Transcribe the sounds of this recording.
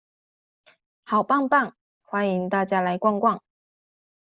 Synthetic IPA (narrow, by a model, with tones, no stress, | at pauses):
xɑ˨˩ʊpɑ˥˧ŋpa˥˩n | xwa˥ni˧˥ŋt̪a˥˩t͡ɕja˥la˧˥ɪkwɑ˥˧ŋkwɑ˥˩ŋ